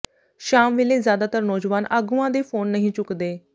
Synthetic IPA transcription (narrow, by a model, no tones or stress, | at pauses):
ʃaːmʋeleːzjaːd̪aːt̪əɾnɔːd͡ʒʋaːnaːɡuːãːd̪eːpʰoːnːəɦĩːt͡ʃʊkd̪eː